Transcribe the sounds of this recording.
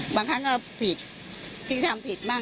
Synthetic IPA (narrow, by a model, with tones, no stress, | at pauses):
baː˧˩ŋkʰa˦˥nkɔː˥˩pʰi˨˩t̪̚ | t̪ʰi˧˥˩t̪ʰa˧mpʰi˨˩t̪̚baː˥˩